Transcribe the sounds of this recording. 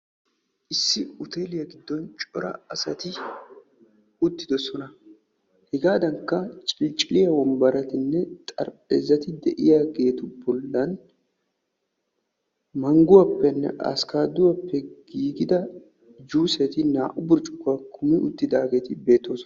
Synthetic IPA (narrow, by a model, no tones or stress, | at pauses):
ʔɪsːɪʊt̪eːlɪjɐɡɪd̪ːɔnt͡ʃʼɔɾɐ̰ɐsɐt̪ɪ | ʊt̪ːɪd̪ɔsɔnɐ | hɪɡaːd̪ɐŋkːɐt͡ʃʼɪlt͡ʃʼɪlɪjɐwɔmbɐɾɐt̪ɪnːɛt̪ʼɐ̰ɾpʼḛːzːɐt̪ɪd̪ɛʔɪjaːɡe̞ːt̪ʊbɔlːɐn | mɐŋɡʊwɐpːɛnːɛ̰ʔa̰skaːd̪ʊwɐpːɛɡ̥iːɡɪd̪ɐ | d͡ʒuːsɛt̪ɪna̰ːʔʊbʊɾt͡ʃʼʊ̥kːɐkʰʊmɪʔʊt̪ːɪd̪aːɡe̞ːt̪ɪbe̞ːt̪ːo̞ːsɔɐ